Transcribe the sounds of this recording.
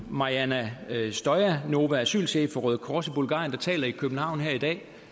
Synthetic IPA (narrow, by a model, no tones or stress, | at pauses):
mɑ̈iænæsd̥ɒɪæno̝ːʋææsy̰ːlse̝fɒ̽ʁœðˠkʰɒːsib̥ulɡɑ̰̈ːjənd̥ɑ̈t͡sʰɛ̰ːlɐikʰøb̥n̩hɑ̈ʊ̰n̩ɦeɐ̰id̥ɛ̰ː